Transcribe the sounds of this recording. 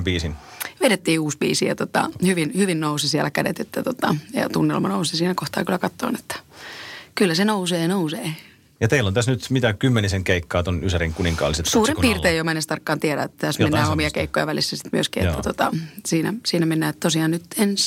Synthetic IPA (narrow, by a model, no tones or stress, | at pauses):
mpiːsin | ʋeɾet̪ːiːuːsbḭːsijɑ̰t̪ot̪ɑ̰hyʋinhyʋinnousisiælækædḛt̪et̪ːæt̪ot̪ɑjɑ̰t̪unːḛlmɑnousisiːnækoht̪ɑ̰ːkylːækɑt̪ːo̰ːnet̪ːæ̥ | kylːæsenouseːnouseː | jɑt̪eilːont̪æsnyt̪mit̪ækymːeniseŋkeikːɑːt̪onysæɾiŋkuniŋkɑ̰ːliset̪suːrimpiːrt̪eːjomɑenest̪ɑrkːɑːnt̪iæɾæ̰et̪ːæt̪æsmenːæːomiɑkeikːojɑ̰ʋælisːæsi̥t̪myøskiːet̪ːæt̪ot̪ɑsiːnæ̰siːnæmenːæːet̪t̪osiɑːnnyt̪ens